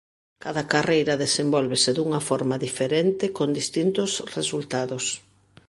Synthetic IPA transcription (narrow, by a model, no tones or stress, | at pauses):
kaðɐkarejɾɐðesembɔlβeseðuŋɐfɔɾmaðifeɾent̪ɪkond̪ist̪int̪ʊsresult̪aðos